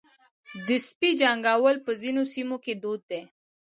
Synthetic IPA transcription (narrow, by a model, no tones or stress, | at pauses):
d̪ɪspid͡ʒaŋɡɑwəlpəzinosimoked̪od̪̚ːe